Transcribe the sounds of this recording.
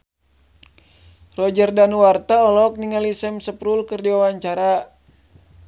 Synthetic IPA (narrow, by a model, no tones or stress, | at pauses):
rɔd͡ʒərdanuwart̪aɔlɔk̚niŋalisɛmsəpɾulkərdiwawaɲt͡ʃaɾa